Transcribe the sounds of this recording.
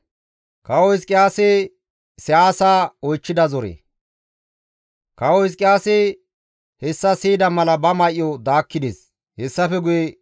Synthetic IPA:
kɐwɔɪskʼɪjaːse | sɛaːsaːɔjt͡ʃːɪd̪ɐzɔɾḛ | kɐwɔɪs̬kʼːɪjaːse | hɛsːɐsiːd̪ɐmɐlɐbɐmɐjʔːɔd̪aːkːɪd̪ḛːs | hɛsːɐfɛɡʊje

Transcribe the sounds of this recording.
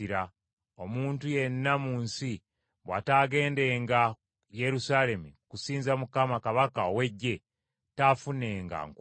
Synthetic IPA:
iɾa | o̞muːntuje̞nːamuːnsi | βwataːɡe̞ːnde̞ːŋɡa | je̞ɾusaːle̞mukusiːnzamukamakaβakaowe̞ɟːe̞ | taːfuneːŋɡa̰ŋk

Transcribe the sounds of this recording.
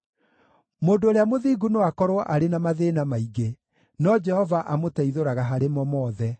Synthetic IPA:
moːndoːɾeamoðiɡunoakɔɾoʔaɾenamaðeːnamaiɡe | nɔd͡ʒɛhɔvaʔamotaiðoɾaɣaɦaɾemɔmɔːðɛ

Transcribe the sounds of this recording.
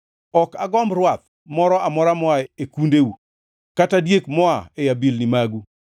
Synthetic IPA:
ɔkaɡɔmbrwat̪̚ | mɔɾɔʔamɔɾamɔaekundeu | katadjekmɔaejabilnimaɡu

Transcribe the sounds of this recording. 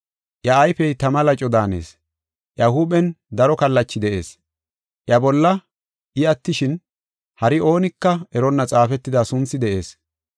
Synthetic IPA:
ʔjɐɐjfɛjt̪ɐmɐlɐt͡ʃʼɔd̪aːnḛːs | ʔjɐhuːbɛnd̪ɐɾɔkɐlːɐt͡ʃːɪd̪ɛʔe̞̰ːs | ʔjɐbɔlːɐ | ʔɪɐt̪ːɪʃɪn | hɐɾɪo̞ːnɪkːɐɛɾɔnːɐt͡sʼaːfɛt̪ːɪd̪ɐsʊnt͡sːɪd̪ɛʔe̞̰ːs

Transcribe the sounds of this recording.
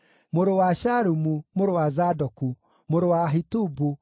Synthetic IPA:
moɾowaʃaɾumumoɾowazadɔku | moɾowaɦitubu

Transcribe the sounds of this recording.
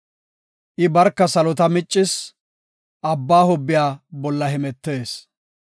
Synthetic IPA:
ʔɪbɐɾkːɐsɐlɔt̪ɐmɪt͡ʃʼːɪs | ʔɐbːaːhʊbːɪjaːbɔlːɐɦɪmɛt̪ːe̞ːs

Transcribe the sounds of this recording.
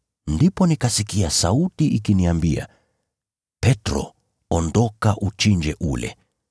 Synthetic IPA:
ndipɔnikasikiasautiikiniambia̰ | pɛtɾɔ̰ | ɔndɔkaʔut͡ʃind͡ʒɛʔulɛ̰

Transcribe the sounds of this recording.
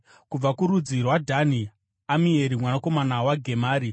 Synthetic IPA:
kub͡vakuɾud͡zirwadʱani | amie̞ɾimwanako̞manawaɡʱe̞maːɾi

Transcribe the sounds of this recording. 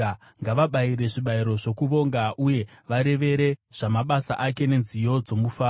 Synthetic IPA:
ŋɡaʋaɓaiɾe̞ʐiɓaiɾo̞ʐo̞kuʋo̞ŋɡaʔuje̞ʋaɾe̞ʋe̞ɾe̞ʐ̥amaɓasa̰ʔake̞ne̞nzijo̞d͡zo̞mufaː

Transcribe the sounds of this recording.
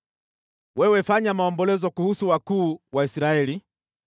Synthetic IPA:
wɛwɛfaɲamaɔmbɔlɛzɔkuhusuwakuːwaisiɾaɛli

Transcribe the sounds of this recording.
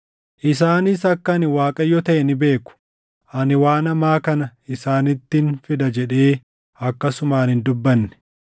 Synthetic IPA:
ʔɪs̬aːnɪsɐkːɐːnɪwaːkʼɐjɔt̪ɐʔɛnɪbe̞ːkʊ̥ | ʔɐnɪwaːnɐmaːkɐnɐɪsaːnɪt̪ːɪnfɪd̪ɐd͡ʒɛᶑe̞ː | ɐkːɐsʊmaːnɪnd̪ʊbːɐnːɛ̥

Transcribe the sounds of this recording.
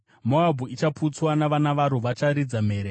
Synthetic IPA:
moabʱuit͡ʃapʰut͡swanaʋanaʋaɾuʋat͡ʃaɾid͡zam̤eːɾe

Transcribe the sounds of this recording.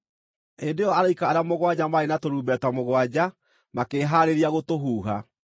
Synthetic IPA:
endejɔaɾaikaːɾjamoɣwad͡ʑamaɾenatoɾuːbɛtwamoɣwad͡ʑa | makeːɦaːɾeɾiaɣotoɦuːɦa

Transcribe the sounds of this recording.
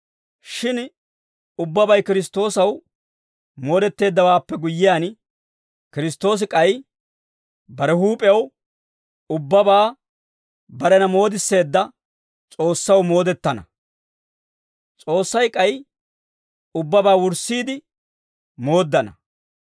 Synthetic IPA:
ʃɪn | ʊbːɐbɐjkɪɾɪs̬t̪o̞ːsɐw | mo̞ːd̪ɛt̪ːe̞ːd̪ːɐwaːpːɛɡʊjːɪjaːn | kɪɾɪst̪ːo̞ːs̬ɪkʼɐj | bɐɾɛhuːpʼɛjɐw | ʊbːɐbaː | bɐɾɛnɐmo̞ːd̪ɪsːe̞ːd̪ːɐ | t͡sʼo̞ːsːɐwmo̞ːd̪ɛt̪ːɐnɐ̰ | t͡sʼo̞ːsːɐjkʼɐj | ʊbːɐbaːwʊɾsːiːd̪ɪ | mo̞ːd̪ːɐnɐ

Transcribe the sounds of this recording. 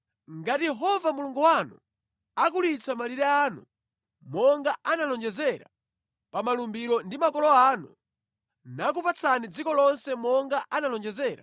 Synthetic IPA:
ŋɡatijɛɦɔvamuluŋɡuwanṵ | ak̬ulit͡sʰamaliɾɛaːnu | mɔŋɡaʔanalɔnd͡ʒɛzɛɾa̰ | pamalumbiɾɔndimakɔlɔaːnu | nak̬upat͡sʰanid͡zikɔlɔnsɛmɔŋɡaʔanalɔnd͡ʒɛzɛːɾa̰

